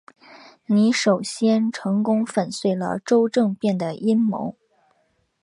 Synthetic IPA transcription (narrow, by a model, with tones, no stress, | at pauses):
ni˧˥ʂo˨˩ʊɕjɛ˥nʈ͡ʂʰɤ˧˥ŋkʊ˥ŋfə˨˩nswe˥˩ɪlə̰˩ʈ͡ʂo˥ʊʈ͡ʂɤ˥˧ŋpjɛ˥˩nd̪ə˩ʔi˥nmo̰˧˥ʊ